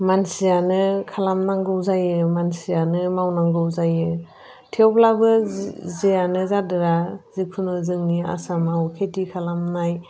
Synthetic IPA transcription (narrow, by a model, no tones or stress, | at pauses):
mansijanɯkʰalamnaŋɡɯwzajɯmansijanɯmawnaŋɡɯwzajɯ | tʰewblabɯzejanɯzadɯɾazikʰunɔzɯŋnia̰samawkʰetikʰalamnaj